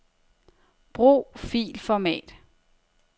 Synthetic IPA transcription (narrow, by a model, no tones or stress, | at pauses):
b̥ʁṵːfḭːlfɒmɛ̰ːd̥